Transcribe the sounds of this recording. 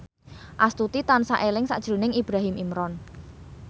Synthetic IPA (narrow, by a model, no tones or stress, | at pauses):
ʔast̪ut̪it̪ansaʔelɪŋsa̰ʔd̥ʒ̥ɾo̤nɪŋib̥ɾaɦimimɾɔn